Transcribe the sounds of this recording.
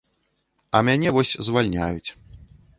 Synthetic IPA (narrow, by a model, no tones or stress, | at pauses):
ɐmʲanʲɛvɔsʲzvalʲnʲajut͡sʲ